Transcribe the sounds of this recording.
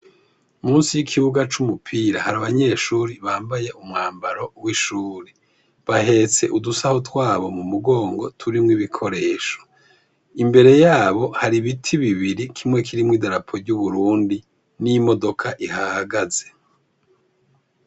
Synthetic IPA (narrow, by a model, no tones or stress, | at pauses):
muːnsijikʰiβuɡat͡ʃumupʰiɾahaɾaβaɲe̞ːʃuːɾiβaːmbaje̞ʔumŋaːmbaɾo̞wiʃuːɾe | βahe̞ːt͡se̞ʔudusahotwaːβo̞mumuɡo̞ːŋɡo̞tʰuɾimŋiβikʰo̞ɾe̞ːʃo̥ | imbe̞ɾe̞jaːβo̞haɾiβitʰiβiβiɾikʰimŋe̞k̬ʰiɾimŋiːdaɾapʰo̞ɾɟuβuɾuːndi | nijimo̞do̞kʰaʔihaaɡaze̞̥